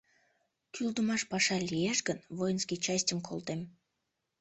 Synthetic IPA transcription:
kʲʰylˠd̪umɑʃpɑʃɑlʲieʃɡə̆nvojənskʲijt͡ɕasʲtʲəmkʰo̰lˠt̪em

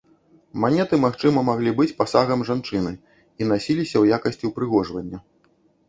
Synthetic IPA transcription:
manʲɛt̪ɨmaxt͡ʂɨmɐmaɣlʲibɨt͡sʲpasaɣɐmʐant͡ʂɨnɨ | in̪asʲilʲisʲɐwjakɐsʲt͡sʲiwpɾɨɣɔʐvɐnʲːɐ

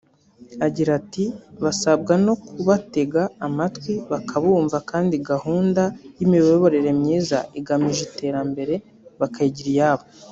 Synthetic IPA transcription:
aɟiɾatiβasabɡano̞kuβate̞ɡaːmatwiβakʰaβuːɱvakaːndiɡahuːndajimiooβo̞ɾeɾe̞mɲiːza̰iɡamiʒite̞ːɾambe̞ɾe̞ | βakajiɟiɾijaːβo

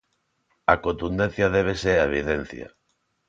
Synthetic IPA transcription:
ɐkont̪und̪ẽn̟θjɐðeβ̞eseɾaeβ̞iðɛn̟θjɐ̰

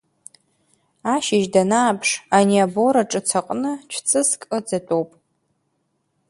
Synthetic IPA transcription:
aʃɪʒdanaːpʰʂaniabo̞ɾaʈ͡ʂʼɨt͡sʰaqʼnɨt͡ʃʷʰt͡sʼɨskʼɨd͡zatʼowpʼ

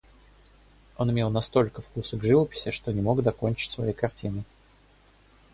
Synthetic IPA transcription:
o̞nɪmʲelˠnɐst̪o̞lʲkəfkusəɡʐɨvəpʲɪ̥sʲɪʂt̪o̞nʲɪmo̞ɡd̪ɐko̞nʲt͡ɕɪ̥tʲsvɐ̰jejkɐrtʲinɨ

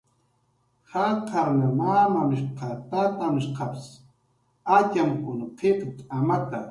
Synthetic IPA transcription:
haqʰaɾnamaːmamɪʃqat̪at̪amɪʃqaps | at͡ʃamkʊnqʰeqt̪ʼamat̪a

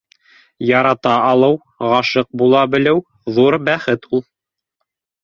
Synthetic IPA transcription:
jɑɾɑt̪ɑɑlˠɤw | ʁɑʃɤq̚bulˠɑbɘ̆lɘw | ðuɾbæχɘt̪ʰulˠ

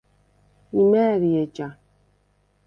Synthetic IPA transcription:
imɛːɾiet͡ʃa

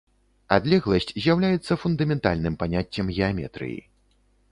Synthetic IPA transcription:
ad̪lʲɛɣlˠɐsʲt͡sʲzʲjawlʲajɛt̪sːɐfund̪ɐmʲɛnt̪a̰lʲnɨmpanʲat͡sʲːɐmɣʲɛamʲɛ̰t̪ɾɨ̰jḭ

